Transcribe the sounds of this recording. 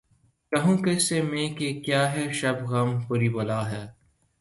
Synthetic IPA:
kɐɦũːkesemẽːkekjaːɦɛʃɐbɣɐmpʊɾiːbɐlaːɦɛː

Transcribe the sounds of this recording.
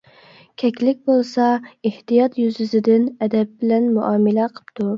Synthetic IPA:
kʲʰɛkʲlɪk̚ʲbolˠsɑeht̪ijɑt̪jyzyzɪd̪ɪnɛd̪ɛp̚bɪlɛnmuʔɑːmɪlɛqʰə̥pt̪ʰu

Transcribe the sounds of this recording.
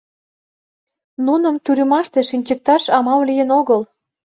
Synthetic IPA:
nunə̆mt̪yɾəmɑʃt̪eʃinʲt͡ɕə̆k̚t̪ɑʃɑmɑmlijə̆noɣɤl

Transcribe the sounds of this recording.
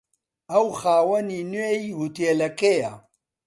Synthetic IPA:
ɐwxaːwɐninwejhut̪eːlɐkeja

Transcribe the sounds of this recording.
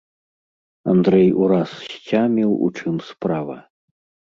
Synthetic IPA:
a̰nd̪ɾɛjuɾasɕt͡sʲamʲiwṵt͡ʂɨmspɾavɐ̰

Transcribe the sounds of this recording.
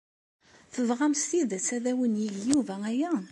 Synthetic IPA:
θəvʁæmst̪iðt͡sːæðæwənjiʝjuvææjæ

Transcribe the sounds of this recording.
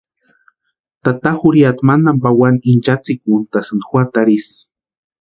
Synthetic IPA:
t̪at̪axuɾiat̪manambawaniint͡ʃat͡sik̚unt̪asɨnxwat̪aɾis

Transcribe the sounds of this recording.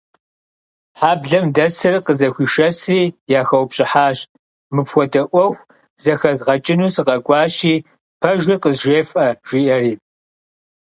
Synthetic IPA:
ħaːbɮɐmdɐsɨrqəzɐxʷiːʃɐsriːjaːxɐwpɕʼɪħaːɕ | mɨpxʷɔdɐʔʷɔxʷ | zɐxɐzʁɐt͡ʃʼɪnuːsɨqɐɡʷɑːɕiː | pʰɐʒʷiqəzʒʷeːfʼɐʒ̥iːʔɐriː

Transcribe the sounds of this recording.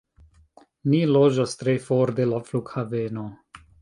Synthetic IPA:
nilod͡ʒast̪ɾefoɾd̪elaflukhaveno

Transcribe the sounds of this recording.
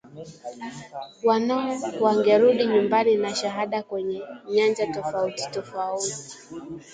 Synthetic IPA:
wanaɔwaŋɡɛɾuɗiɲumbaninaʃaɦaɗakwɛɲɛɲand͡ʒatɔfauti̥tɔfauti̥

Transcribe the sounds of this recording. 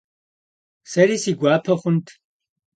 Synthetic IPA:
sɛɾisiɡʷaːpʰɔχunt̪ʰ

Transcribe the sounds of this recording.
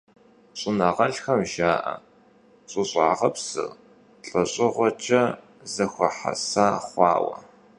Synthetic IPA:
ɕʼɪnaʁɐɬxɐmʒaːʔɐ̰ | ɕʼɨɕʼaːʁɐpsɨ̰ | ɬʼɐɕʼɪʁʷɔt͡ʃʼɐ | zɐxʷɐħa̰saːχʷɑ̰ːwɐ̰

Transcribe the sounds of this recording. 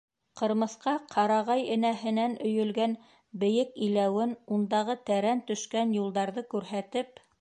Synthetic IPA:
qɤ̆ɾmɤ̆θqɑqʰɑɾɑʁɑjɘ̆næɦɘ̆nænɵ̆jɵ̆lɡæn | bɘ̆jɘkilæwɘnund̪ɑʁɤt̪æɾænt̪ɵ̆ʃkænjulˠd̪ɑɾðɤkʉɾɦæt̪ɘp̚

